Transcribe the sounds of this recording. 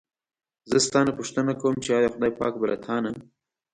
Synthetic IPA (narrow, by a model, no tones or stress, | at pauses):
zəst̪ɑːnepʊʂt̪ənakawəmt͡ʃeɑːjɑxʊd̪ɑːjpɑ̰ːk̚bala̰t̪ʰɑːnəm